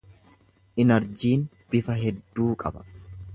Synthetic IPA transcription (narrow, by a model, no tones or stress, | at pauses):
ʔɪnɐɾd͡ʒiːn | b̥ɪfɐɦɛd̪ːuːkʼɐ̰bɐ̥